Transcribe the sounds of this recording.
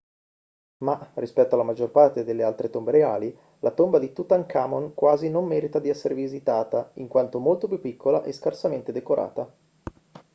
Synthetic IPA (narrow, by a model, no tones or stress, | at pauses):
marispɛt̪ːoalːamad͡ʒorpart̪ed̪elːealt̪ɾet̪ombeɾeaːli | lʔat̪ombad̪it̪ut̪aŋkaːmonkwaːzinomːɛːɾit̪ad̪iɛsːeɾevizit̪aːt̪aiŋkwant̪omolt̪opjupːikʰːolaʔeskarsament̪ed̪ekoɾʔa̰ːt̪a